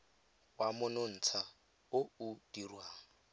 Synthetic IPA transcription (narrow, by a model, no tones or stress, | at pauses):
wamʊnon̩ːt͡sʰa | ʊud̥irwaːŋ̩